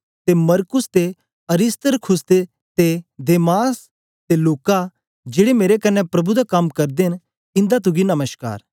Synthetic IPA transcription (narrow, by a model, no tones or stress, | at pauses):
t̪emɐɾkʊst̪e | ɐɾɪst̪əɾkʰʊsd̪e | t̪ed̪eːmaːs | t̪eloːka | d͡ʒeːɽemeːɾekɐnːɛpɾɐbud̪akɐmkɐɾd̪eɦn | ɪ̃nd̪at̪̬ʊɡinɐməʃka̰ːɾ